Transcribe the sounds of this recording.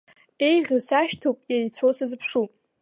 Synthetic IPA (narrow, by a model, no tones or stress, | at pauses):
e̞jʁʲosaʃtʰopʼjajt͡sʷʰowsazɨpʰʂu